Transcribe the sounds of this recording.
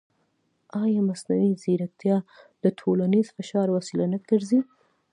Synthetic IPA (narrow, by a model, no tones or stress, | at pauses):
ɑjɑmasnawizeɾak̚t̪jɑd̪̥ətʰolanizfɪʃɑɾwasɪlanəɡəɾzi